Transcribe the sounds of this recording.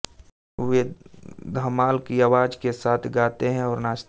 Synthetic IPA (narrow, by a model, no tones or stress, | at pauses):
ed̪ʱəmaːlkiaːwaːd͡ʒkesaːt̪ʰɡaːt̪eɦɛ̃ɔːɾnaːs